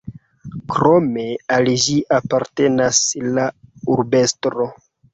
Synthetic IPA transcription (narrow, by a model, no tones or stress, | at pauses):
kɾo̞me̞aliʒiʔapaɾte̞naslauɾbe̞stɾo̞